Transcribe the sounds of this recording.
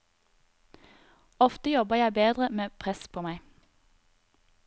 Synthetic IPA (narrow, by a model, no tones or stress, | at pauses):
ɔft̪əjɔbəjæɪbeːd̪ʁəmeːpʰʁɛspʰoːmæɪ